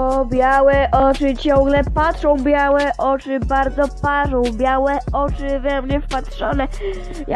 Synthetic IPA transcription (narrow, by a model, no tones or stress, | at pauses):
ɔbʲjawɛʔɔt͡ʂɨt͡ɕɔ̃ŋ̃ɡlɛpatʂɔ̃w̃bʲjawɛʔɔt͡ʂɘbaɾd̪zɔpaʐɔ̃w̃bʲjawɛɔt͡ʂɘvɛmɲɛfpatʂɔ̰nɛ | j